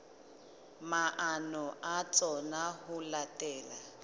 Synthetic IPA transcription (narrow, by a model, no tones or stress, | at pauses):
maʔanɔʔat͡sʼɔnaɦʊlatʼɛːla